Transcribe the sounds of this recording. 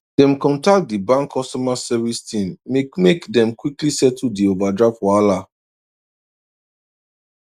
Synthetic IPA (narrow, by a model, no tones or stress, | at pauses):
d̥ɛ̃mkɔ̃ntak̚t̚dibãŋkʰːɔstɔmasɛvistĩmmemekdɛ̃mkwiklisɛtudiovadɹapwala